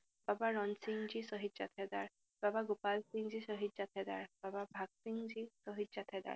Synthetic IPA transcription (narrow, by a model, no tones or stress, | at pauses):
babaɹɔnsiŋzisɔɦitzat̪ʰɛd̪aɹ | b̥abaɡopalsiŋzisɔɦitzat̪ʰɛd̪aɹbababʱaksiŋzisɔɦizat̪ʰɛd̪a̰ɹ